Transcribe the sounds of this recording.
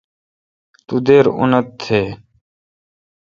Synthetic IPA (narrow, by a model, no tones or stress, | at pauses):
t̪ud̪eːɾʊ̰nət̪ʰːeː